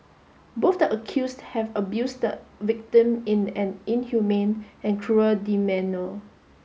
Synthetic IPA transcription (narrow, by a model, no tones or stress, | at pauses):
bofdəʔəkʰjusthɛvəbjusdəvɪk̚tĩmĩnɛ̃nĩnhjumẽnɛ̃nkʰɹuəldimɛ̃no